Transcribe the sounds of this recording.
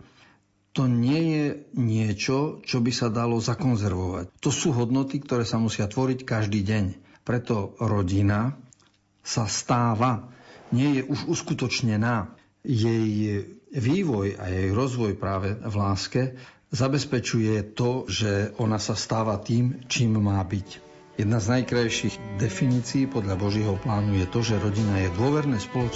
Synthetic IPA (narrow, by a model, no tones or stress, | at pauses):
t̪ɔɲɪɛjɛɲɪɛt͡ʃɔt͡ʃɔbisad̪alɔzakɔnzɛɾʋɔʋa̰ct̪ɔsuːɦɔd̪nɔt̪ikt̪ɔɾɛːsamusɪat̪ʋɔɾickaʒd̪iːɟɛɲ | pɾɛt̪ɔɾɔɟina | sast̪aːʋaɲɪɛjɛʔuʒuskut̪ɔt͡ʃɲɛnaː | jɛj | ʋiːʋɔja̰jɛjɾɔzʋɔjpɾaːʋɛvlaːskɛ | zabɛspɛt͡ʃujɛt̪ɔʒɛʔɔnasast̪aːʋat̪iːmt͡ʃiːmːaːbic | jɛd̪naznajkɾajʃiɣd̪ɛfiniːt͡siːpɔd̪lʎabɔʒɪɛɦɔplaːnujɛt̪ɔʒɛɾɔɟinajɛd̪ʊɔʋɛɾnɛːspɔlɔt͡ʃ